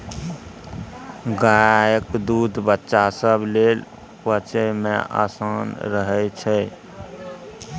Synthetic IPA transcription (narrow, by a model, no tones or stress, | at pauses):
ɡajəkd̪ud̪ʱbətːʃasəblel | bət͡ʃəjmḛa̰sanɾəɦɛt͡ʃʰɛ